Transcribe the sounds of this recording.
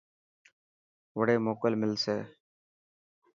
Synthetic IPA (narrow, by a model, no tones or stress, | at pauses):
ʋəɽeːmoːkəlmɪlseː